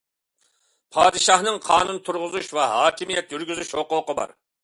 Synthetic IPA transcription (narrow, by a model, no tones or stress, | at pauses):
pʰɑːd̪ɨʃɑhnɨŋqʰɑːnunt̪ʰuɾʁʊzuʃvɛɦɑːkʲʰimijɛt̪jyɾɡʲyzyʃhoqʊqəbɑ̰ɾ